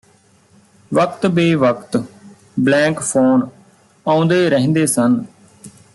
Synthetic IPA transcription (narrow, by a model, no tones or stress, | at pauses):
ʋəkt̪beːʋəkt̪ | blɛ̃ːkpʰoːn | ãːʊ̃nd̪eːɾəɦnd̪eːsən